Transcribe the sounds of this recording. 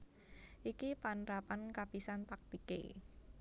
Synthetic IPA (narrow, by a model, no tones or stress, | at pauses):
ʔikipanɾapankapisant̪ak̚t̪ikḛ